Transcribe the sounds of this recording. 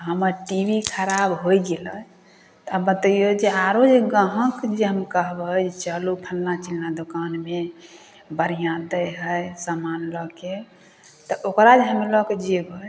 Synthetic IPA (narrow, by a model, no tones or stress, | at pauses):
ɦəməɾʈibʱikʰəɾabɦojɡelə | t̪abət̪əjod͡ʒeaɾod͡ʒeɡə̃ɦə̃kd͡ʒeɦəmkəɦbəd͡ʒt͡ʃəlupʰəlnat͡ʃilnad̪okanme | bəɾijãd̪əjɦəjsamanlɔke | t̪ɔʔokɾad͡ʒeɦəmilɔked͡ʒeɡəj